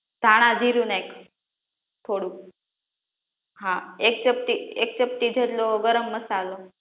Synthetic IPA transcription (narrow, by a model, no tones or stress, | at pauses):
d̪ʱaɽ̃ad̪ʱiɾuːnek | t̪ʰoɽu | ɦãek̚t͡ɕəp̚t̪iek̚t͡ɕəp̚t̪iːd͡zʱet̪lɔɡəɾəmːəsalɔ